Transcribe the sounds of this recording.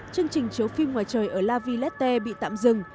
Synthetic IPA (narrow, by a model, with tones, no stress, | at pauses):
t͡ɕɨ˧əŋt͡ɕï˨˩ŋ̟t͡ɕi˨˦əwfi˧mŋwaː˨˩jt͡ɕəː˨˩jʔəː˧˩laː˧vi˧lɛ˦˥t̚t̪e˧ɓḭ˧˨t̪a̰ː˧˨mzɨ˨˩ŋ